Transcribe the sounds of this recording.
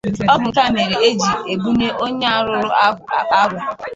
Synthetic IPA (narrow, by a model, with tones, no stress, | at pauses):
ɔ˦bʊ˨ŋ̩˨ka˦˨me˨ɾe˨e˦d͡ʒi˨e˨bu˦ne˦ʔo˦ɲe˦a˦ɾʊ˨˦ɾʊ˦˨a˦ɡʷʊ˨